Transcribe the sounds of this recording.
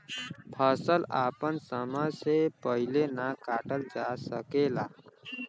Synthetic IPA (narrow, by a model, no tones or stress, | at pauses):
pʰəsəlapənsəməjsepəɦilenakaːʈəld͡ʒasəkela